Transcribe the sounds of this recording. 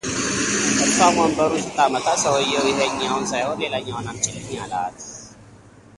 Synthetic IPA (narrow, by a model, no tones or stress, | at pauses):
kəssamonbəɾusɨt̪ʰamət̪ʰat̪səwəjːɛwɪɦəɲːawnsajho̞nle̞laɲːawnamt͡ʃʼɪlːɨɲjala̰t̪